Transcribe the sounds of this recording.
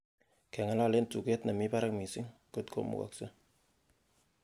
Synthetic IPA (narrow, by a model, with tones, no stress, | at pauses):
kɛ˨ŋa˦la˦le˦ntu˨ke˦t̚na˨mi˦pa˦ɾa˦ŋmi˨si˦ŋko˦˨t̚kʰo̰˨mṵ˨ka̰˨k̚sa˦